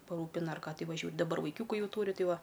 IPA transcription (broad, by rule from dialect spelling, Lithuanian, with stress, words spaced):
pɐˈruːpʲɪnɐ ɐr ˈkɑː ˈtɐɪ ʋɐˈʒʲuɔ dɐˈbɐr ʋɐɪˈkʲuːkʊ ˈjɛʊ ˈtuːrʲɪ ˈtɐɪ ˈʋɐ